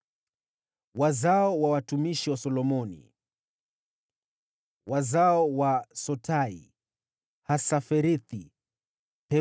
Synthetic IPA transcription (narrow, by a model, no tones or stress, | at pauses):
wazaɔwawatumiʃiwasɔlɔmɔnḭ | wazaɔwasɔtʰaḭ | hasafɛɾiθi | pɛ